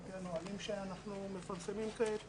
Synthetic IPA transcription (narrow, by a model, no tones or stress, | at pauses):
ɡanoalimʃeanaχnume̞faʁsemimket̪